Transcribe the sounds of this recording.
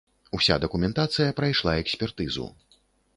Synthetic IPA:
usʲa̰d̪ɐkumʲɛnt̪at̪sɨjɐpɾajʂlˠaɛksʲpʲɛrt̪ɨzṵ

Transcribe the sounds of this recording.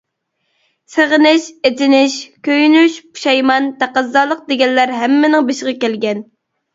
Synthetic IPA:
seʁənɪʃet͡ʃ̪ɪnɪʃkʲʰøjnyʃpu̥ʃɑjmɑnt̪ʰæqəzːɑːlˠəq̚d̪eɡʲɛnlæɾɦɛmːɪnɪŋbeʃəʁɑkʲɛlɡʲɛn

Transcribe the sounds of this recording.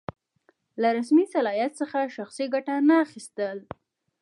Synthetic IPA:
laɾasmisalɑjat̪səxaʃaxsiɡaʈanaːxist̪əl

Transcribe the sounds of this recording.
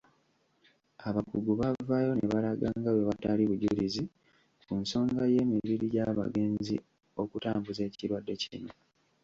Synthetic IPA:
aβakuɡuβavajo̞neβalaɡaːŋɡawe̞βataliβuɟulizi | kunso̞ːŋɡaje̞ːmiβiɾiɟaβa̰ɡe̞ːnzḭ | o̞kutaːmbuze̞ːciɾwadːe̞ciino̞

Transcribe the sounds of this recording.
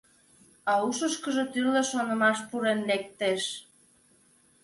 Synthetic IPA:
ɑuʃəʃkəʒet̪yleʃonə̆mɑʃpuɾenlek̚t̪eʃ

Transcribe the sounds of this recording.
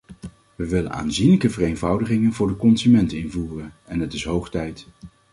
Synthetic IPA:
ʋəʋɪlə̰na̰ːnzinləkəvərejnvʌwdəχɪŋənvʊːɹdəkɔnzymɛntɪnvuːrən | ɛnɦətɪsɦowχtɛjt

